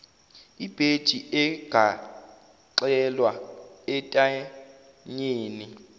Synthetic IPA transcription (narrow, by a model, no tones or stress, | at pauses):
ib̥ʱed̥ʒ̥ʱiʔɛɡ̥ʱa | ǃɛlwaɛtʼa | ɲeːni